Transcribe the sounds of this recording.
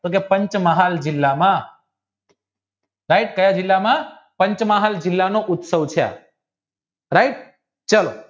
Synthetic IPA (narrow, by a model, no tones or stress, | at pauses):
t̪ok̬epəɲt͡ʃməɦald͡ʒɪlːamã | ɾaiʈkəjad͡ʒɪlːamã | pəɲt͡ʃmaɦald͡ʒɪlːanoʔʊt̪səʋt͡ʃʰea̰ | ɾaɪʈ̚ | t͡ʃəlo